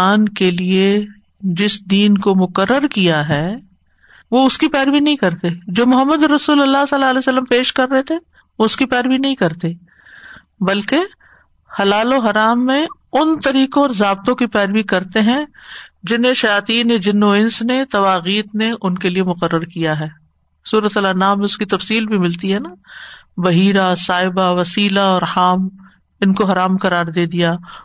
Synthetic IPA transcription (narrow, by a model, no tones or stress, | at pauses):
aːnkelie | d͡ʒɪsd̪iːnkomʊqərːəɾkijaɦɛː | ʋoʊskipɛːɾʋinɐɦĩkɐɾt̪ed͡ʒoːmʊɦəmːəd̪ɔɾːɐsuːlɐlːasɐlːaleːsəlːəmpeːʃkɐɾːɐɦet̪ʰe | ʋoʊskipɛːɾʋinɐɦĩkɐɾt̪e | bɐlke | hɐlaːloɦɐɾaːmːẽʊnt̪ɐɾiːkõɔːɾzaːb̚t̪õkipɛːɾʋikɐɾt̪eɦɛ̃d͡ʒɪnɦẽʃɐjaːt̪iːnːẽd͡ʒɪnːõɪ̃nsnet̪ɐʋaːɣiːt̪neʔʊnkeliemʊqəɾːəɾkijaɦɛː | suːɾət̪ɐlanaːmẽʊskit̪ɐfsiːlbʱimɪlt̪iɦɛːna | bɐɦiːɾasaːɪbaʋɐsiːlaɔːɾhaːm | ɪnkoɦɐɾaːmkɐɾaːɾd̪eːd̪ijaː